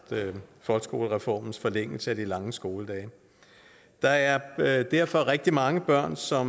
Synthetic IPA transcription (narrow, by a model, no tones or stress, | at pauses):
fɒ̽lɡ̥sɡ̥o̝ːləʁɛfɒ̰ːmn̩sfɒ̽leŋ̰l̩səæd̥ilɑ̈ŋəsɡ̥o̝ːləd̥ɛːɪ | d̥ɑ̈æɐd̥æɐ̰fɒ̽ʁɛɡ̥̚d̥imɑ̈ŋəb̥ɶɐ̰nsɒ̽m